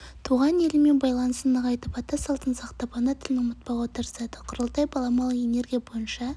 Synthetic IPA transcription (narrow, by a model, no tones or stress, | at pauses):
t̪ʰuʁɑne̞lɪme̞nbɑjlˠɑnəsənəqʰɑjt̪əpɑt̪ɑsɑlˠt̪ənsɑqt̪ɑpɑnət̪ʰɪlɪnʊmət̪̚pɑwo̞t̪əɾəsɑd̪əqʰʊɾəlˠt̪ɑjbɑlˠɑmɑlˠəe̞ne̞ɾɡʲijabo̞jənʃɑ